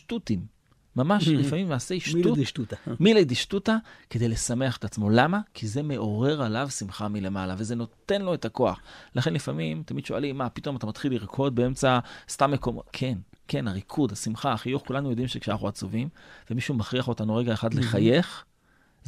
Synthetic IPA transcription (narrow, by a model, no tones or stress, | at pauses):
ʃtutimː | amaʃlifamimaːseiʃumiled̪iʃtutakede̞jle̞same̞aχet̪at͡smo̞lamakʰize̞me̞ʔo̞ʁe̞ʁalavsimχamile̞malave̞ze̞no̞t̪e̞nlo̞e̞tako̞a̰χlaχe̞nlifamimt̪amid̪ʃo̞alimːapit̪o̞mat̪amat̪χilːiʁkʰo̞d̪̚bee̞mt͡sast̪amːekomkʰe̞nke̞naʁikʰud̪asimχaːχijuχkulanujo̞d̪imʃekʃeanaχuat͡suvimvemiʃumaχʁiaχo̞tanuʁe̞ɡaeχad̪leχaje̞χ